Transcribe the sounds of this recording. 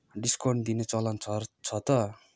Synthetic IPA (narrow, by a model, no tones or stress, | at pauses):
ɖiskʌrɳd̪inet͡sʌlant͡sʰʌt͡sʰʌt̪ʌ